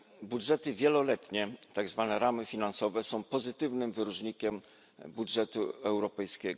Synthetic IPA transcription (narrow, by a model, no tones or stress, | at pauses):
budʐɛt̪ɘvʲjɛlɔlɛt̪ɲɛt̪aɡzvanɛɾamɘfʲinansɔvɛsɔ̃w̃pɔzɘt̪ɘvnɘmvɘɾuʐɲikʲɛm | budʐɛt̪uɛwɾɔpɛjskʲɛɡɔ